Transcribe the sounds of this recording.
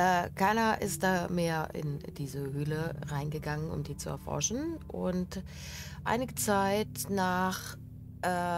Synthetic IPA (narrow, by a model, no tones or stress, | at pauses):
ʔɛːkʰaɪnɐʔɪ̰st̚d̥aːmeːɐʔɪ̰nd̥iːzəɦøːləʁaɪnɡəɡaŋənʊ̰mdiːt͡suɛ̰ɐfɔ̰ɐʃn̩ʔʊ̰nt | ʔa̰ɪnɪɡət͡saɪtnaːχ | ʔɛː